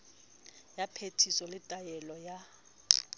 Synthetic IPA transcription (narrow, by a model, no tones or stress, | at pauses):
japʰetʰisɔlɪtʼajɛlɔja